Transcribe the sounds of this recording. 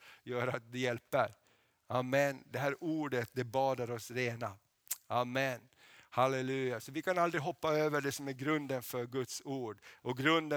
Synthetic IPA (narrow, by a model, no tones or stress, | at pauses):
jœːɾat̪̚d̪ɛjɛlpəɾ | amːɛnd̪ɛɦæːɾuːɖət̪̚d̪ɛbɑːd̪aɾɔsɾeːna | amːɛn | halɛlʉ̟ːjasɔvɪkʰanald̪ɾɪɦɔpːaøːvəɖɛsɔmæɾɡɾɵnd̪ənfœɾɡɵt̪suːɖʔɔɡɾɵnd̪ə